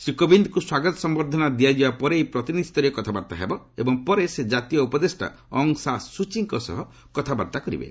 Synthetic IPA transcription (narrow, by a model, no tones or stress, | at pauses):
sɾikɔbind̪ɔkuswaɡɔt̪ɔsɔmbɔɾd̪ʱɔnad̪iad͡ʒibapɔɾejpɾɔt̪inid̪ʱit̪ɔɾekɔt̪ʰabaɾt̪aɦebɔ | ḛbɔŋpɔɾesed͡ʒat̪ijɔupɔd̪esʈa̰ | ɔŋsasut͡ʃiŋkɔsɔ̰ɦɔ | kɔt̪ʰabaɾt̪akɔɾḭbḛ